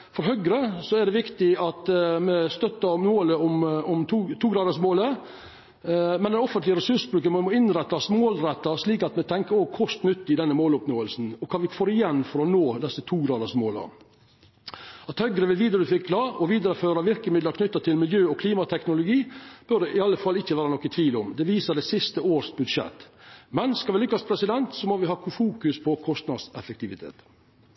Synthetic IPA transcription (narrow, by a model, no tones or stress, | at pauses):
fɔɾɦœɡɾəsɔæɖɛʋɪkt̪ɪɑt̪mɛst̪œt̪ːəɾnoːləʊmʊmʰːt̪ʰuːɡɾɑːd̪əsmoːlə | mɛnd̪ɛnɔfənt̪lɪəɾɛsʉʂbɾʉːkəmmɔɪnɾɛt̪ːɑsmoːlɾɛt̪ːɑsliːkɑt̪mɛt̪ʰɛŋkəɾoːɡ̚kʰʊst̪nʏt̪ːɪd̪ɛnːəmoːlʊpnoːəlsn̩ɔkʰɑːʋɪfoːɾɪjɛnːfɔɾɔnoːd̪ɛsːət̪ʰuːɡɾɑːd̪əsmoːlɑ̰ | ɑt̪hœɡɾəʋɪlʋiːd̪əɾəd̪ʉfɪkːʰlɑːɔʋiːd̪əɾəføːɾɑʋɪɾkəmɪd̪ləɾkʰnʏt̪ːɑt̪ʰɪlmɪljøːɔkʰliːmɑt̪ʰɛknʊlʊɡiːb̥œɖ̪ɛʔɪɑlːəfɑlːɪçːəʋæːɾənɔkːət̪ʰʋiːlʊmd̪ɛʋiːsəɖ̪ɛsɪst̪əoːɾʂbʉd̪ʂɛ̰t̪ːmɛnskɑʋɪlʏkːɑspʰɾɛsɪd̪ɛnt̪sɔmɔʋɪɦɑːkʰʊfuːkʉspʰɔkʰɔst̪nɑd̪sɛfəkt̪ɪʋɪt̪ʰḛːt̪